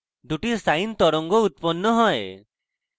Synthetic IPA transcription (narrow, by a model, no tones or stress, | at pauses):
d̪uʈisajnt̪ɔɾɔŋɡɔut̪̚pɔnːɔɦɔe